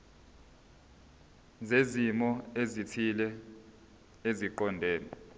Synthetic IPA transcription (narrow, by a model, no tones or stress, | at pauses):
zezimɔezitʰilɛ | eziǃɔndʱɛːnɛ